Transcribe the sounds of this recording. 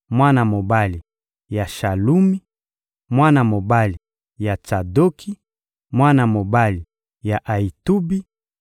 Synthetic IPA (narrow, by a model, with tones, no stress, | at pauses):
mwa˦na˨mo˨ba˦li˨ | ja˨ʃa˨lu˦mi˦ | mwa˦na˨mo˨ba˦li˨ | ja˨t͡ʃa˨do˦kʰi˦ | mwa˦na˨mo˨ba˦li˨ | ja˨ʔa˨i˨tu˦bi˦